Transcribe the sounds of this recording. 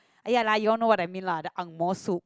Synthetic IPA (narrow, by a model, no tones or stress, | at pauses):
ʔajalajɔnowadamĩnladaʔaŋmɔsuʔ